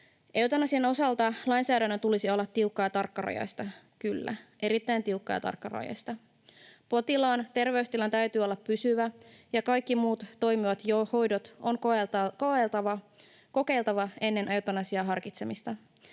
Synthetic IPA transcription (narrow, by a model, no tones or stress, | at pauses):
ʔe̞wt̪ɑnɑsieno̞sɑlt̪ɑlɑjnsæːdænːøt̪ulisio̞lːɑt̪ːiukːɑjɑt̪ɑrkːɑrɑ̰jɑ̰jst̪ɑ | kylːæ̰ | e̞ɾit̪ːæjnt̪iukːɑ̰jɑ̰t̪ɑ̰rkːɑrɑ̰jɑ̰jst̪ɑ | po̞t̪ilɑːnt̪e̞rʋe̞ust̪ilɑnt̪æyt̪yːolːɑppysyʋæjɑkɑjkːimuːt̪ːo̞jmiʋɑt̪joho̞jdo̞t̪o̞ŋkoelt̪ɑɑ | ko̞ke̞ilt̪ɑʋɑe̞nːe̞nʔewt̪ɑnɑsiɑɦɑrkit̪semist̪ɑ